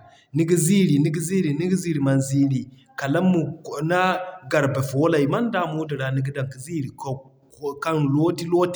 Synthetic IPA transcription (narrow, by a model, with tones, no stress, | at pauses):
ni˦ɡi˦zi˦ɾi˨ni˦ɡi˦zi˦ɾi˨ni˦ɡi˦zi˦ɾi˨ma˨nzi˦ɾi˨ | ka˨la˦mːu˨na˦ɡa˨ɾbe˨fo˨˦la˨i˨ma˦n˦da˦˨mu˦di˨ɾa˨ni˦ɡi˦da˨ŋki˨zi˦ɾi˨k | ka˦ŋlo˦di˦lo˦t